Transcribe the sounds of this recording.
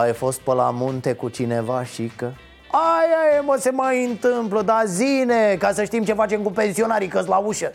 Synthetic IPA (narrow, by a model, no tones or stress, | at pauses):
ajfo̞st̪̚pəla̰munt̪e̞kut͡ʃine̞vaʃikə | ajajeməse̞majɨnt̪ɨmpləd̪azinekasəʃt̪imt͡ʃe̞fat͡ʃe̞mkupe̞nsio̞naɾikəslauʃə